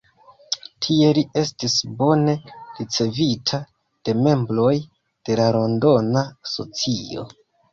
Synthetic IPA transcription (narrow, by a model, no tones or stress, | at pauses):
tʰie̞lie̞stisbo̞ne̞ɾit͡se̞vitʰa | d̥e̞me̞mbɾo̞j | d̥e̞laɾo̞ndo̞naso̞̰t͡sio̞̰